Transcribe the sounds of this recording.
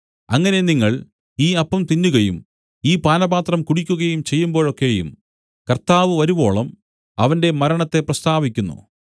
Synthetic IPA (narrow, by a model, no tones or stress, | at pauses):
ɐŋːɐne̞niŋːɐɭ | iːɐpːɐmt̪inːuɣɐjṵm | iːpaːnɐbaːt̪rɐmkuɽikʲːuɣɐjumt͡ɕe̞jːumbo̞ːɻo̞kːe̞jṵm | kɐrt̪aːʋɨʋɐɾubo̞ːɭɐm | ɐʋɐnde̞mɐɾɐɳɐt̪ːe̞prɐst̪aːʋikʲːunːṵ